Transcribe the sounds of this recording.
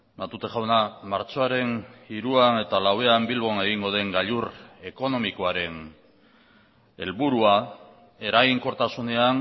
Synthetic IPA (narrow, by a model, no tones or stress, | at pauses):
nat̪ut̪e̞xawnamaɾt͡so̞aɾe̞niɾuane̞t̪alawe̞ambilβo̞ne̞ɣiŋɡo̞ð̞e̞ŋɡaʎure̞ko̞no̞miko̞aɾe̞n | e̞lβuɾua | e̞ɾaɣiŋko̞ɾt̪asune̞an